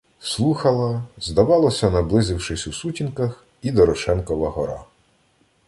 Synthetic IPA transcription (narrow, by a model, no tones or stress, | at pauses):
slˠuxɐlˠɐzd̪ɐʋɑlˠɔsʲɐnɐblˠɪzɪwʃɪsʲusutʲinkɐx | id̪ɔɾɔʃɛnkɔʋɐɦɔɾɑ̰